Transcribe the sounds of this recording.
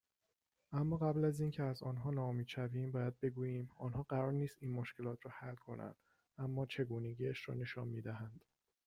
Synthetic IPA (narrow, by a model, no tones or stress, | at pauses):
ʔæmːɒːɣæblæziːncʰeæzɒːnɦɒːnɒːomiːd̪ʃæviːmbɒːjæd̪̚be̞ɡuːjiːmɒːnɦɒːɢæɾɒːɾniːst̪iːnmoʃcʰe̞lɒːt̪ʰɾɒːhælkʰo̞̰nʔæ̰nd̪̥ | ʔæmːɒːt͡ʃʰe̞ɡuːne̞ɟiːæʃɾɒ̰ːne̞ʃɒːnmiːd̪æɦænd̪̥